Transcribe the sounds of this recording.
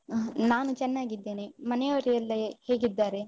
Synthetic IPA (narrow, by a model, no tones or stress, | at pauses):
naːnut͡ʃɛnːaːɡid̪ːe̞ːnemɐnejoɾijɐlːɐhe̞ːɡid̪ːaːɾe̞